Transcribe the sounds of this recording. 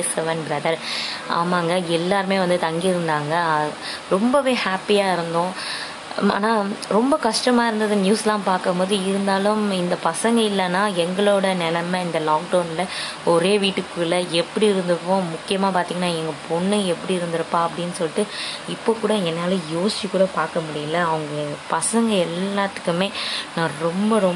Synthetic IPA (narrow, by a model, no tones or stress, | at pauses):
sɛʋɐnbɾɐðɐɾʔa̰ːmaːŋɡɐɛlːaːɾɯmeːʋɐnd̪ɯt̪ɐŋɡiɪɾɯnd̪aːŋɡɐɾɔmbɐʋeːhaːpːɪjaːɪɾɯnd̪õː | a̰ːnaːɾɔmbɐkɐʂʈɐmaːɪɾɯnd̪ɐðɯnjuːslãːpaːɾkɯmpoːðɯɪɾɯnd̪aːlʊmɪnd̪ɐpɐsɐŋɡɐɪlːɐnːaːɛŋɡɐɭoːɽɐnɛlɐmɐɪnd̪ɐlaːk̚ɖɐʊnɪlɐ | ɔɾeːʋiːʈːɯkːɯlɐɛpːɐɽiɪɾɯnd̪ɯɾɯpːõːmʊkːɪjɐmaːpaːɾt̪iːŋɐnːaːɛŋɡɐpɔɳːɯɛpːɐɽiɪɾɯnd̪ɪɾɯpːãːɐpːɐɽɪnːɯsɔlːɪʈːɯɪpːoːkuːɽɐɛnːaːlɐ̃joːst͡ʃːikːuːɽɐpaːɾkɐmʊɽɪjɐlːɐɐʋɐŋɡɐpɐsɐŋɡɐɛlːaːt̪ːɯ̥kːɯmeːnãːɾɔmbɐɾɔ